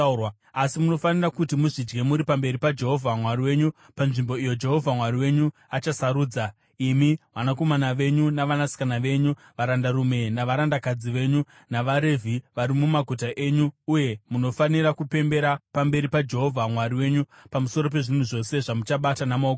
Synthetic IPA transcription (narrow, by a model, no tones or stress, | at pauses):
asimuno̞fanirakutimuʐid͡ʒɡe̞muɾipambe̞ɾipad͡ʒe̞ɦo̞vʱamwariwe̞ɲu | panʐimbo̞ijo̞d͡ʒe̞ɦo̞vʱamwariwe̞ɲuat͡ʃasaɾuːd͡za | imiʋanako̞manaʋe̞ɲunaʋanasi̥kanaʋe̞ɲu | ʋaɾandaɾume̞naʋaɾandakad͡ziʋe̞ɲu | naʋaɾe̞vʱiʋaɾimumaɡʱutaʔe̞ɲuːje̞muno̞faniɾakupe̞mbe̞ɾapambe̞ɾipad͡ʒe̞ɦo̞vʱamwaɾiwe̞ːɲupamuso̞ɾo̞p̬e̞ʐin̤uʐo̞se̞ʐamut͡ʃaɓatanamaoɡ